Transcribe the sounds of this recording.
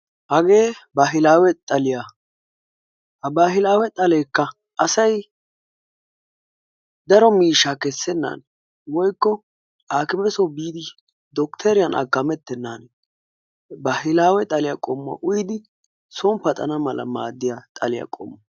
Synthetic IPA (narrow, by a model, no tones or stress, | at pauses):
hɐɡe̞ːbaɦɪlaːwɛt̪ʼɐlɪja | hɐbaːhɪlaːwɛt̪ʼɐleːkːɐ | ʔɐsɐj | d̪ɐɾɔmiːʃːakɛsːɛnːa̰ːn | wɔjkːɔ | aːkɪmɛsɔbiːd̪ɪ | d̪ɔkt̪ʰɛɾɪjɐnʔɐ̰ɡɐmɛt̪ːɛnːan | bahɪlaːwɛt̪ʼɐlɪjakʼɔmːɐ̰ʔʊjɪd̪ɪ | soːmpɐt̪ʼɐnɐmɐlɐ̰ma̰ːd̪ːɪjat̪ʼɐlɪjɐ̰kʼɔ̰mːɐ